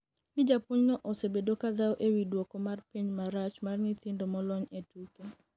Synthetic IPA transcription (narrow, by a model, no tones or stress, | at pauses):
nɪd͡ʒapwɔɲnɔʔɔsebedokad̪awʔewidwɔkɔmarpiɲmaɾat͡ʃmarnɪt̪ɪndomɔlɔɲetuke